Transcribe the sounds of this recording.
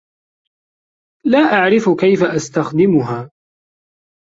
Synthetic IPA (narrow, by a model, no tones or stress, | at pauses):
laːʔaʕɾɪfʊkajfaʔast̪axd̪ɪmʊɦaː